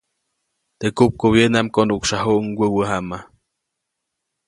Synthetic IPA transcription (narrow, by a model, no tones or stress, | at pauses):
t̪ekup̚ɡoβjenamkonukʃaɦuʔŋwʷəwəɦama